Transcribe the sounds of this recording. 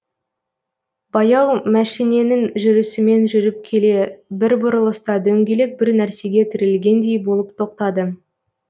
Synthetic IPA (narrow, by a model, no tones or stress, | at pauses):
bɑjɑwmæʃijne̞nɪŋʒʏɾɪsɪme̞nʒʏɾɪp̚kʲʰe̞le̞bɪɾbʊɾəlˠəst̪ɑd̪ɵŋɡʲe̞lek̚bɪɾnæɾse̞ɡʲe̞t̪ʰɪɾɪlɡʲe̞nd̪e̞jbolˠəpt̪ʰo̞q̚t̪ɑd̪ə